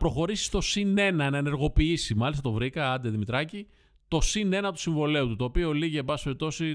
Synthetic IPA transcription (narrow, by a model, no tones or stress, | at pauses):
pɾo̞xo̞ɾisi̥st̪o̞sine̞nɐnɐene̞ɾɣo̞piisimɐlist̪ɐt̪o̞vɾikɐɐd̪eðimit̪ɾɐci | t̪o̞sine̞nɐt̪u̥siɱvo̞le̞ut̪ut̪o̞ːpio̞liʝiebɐsi̥peɾip̚t̪o̞si